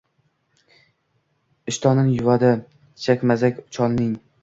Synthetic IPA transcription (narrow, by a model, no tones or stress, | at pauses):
ɪʃt̪ʰɒnɪnjʊvad̪ɪ | t͡ʃʰakʲmazakʲʊ̥t͡ʃʰɒnːɪŋ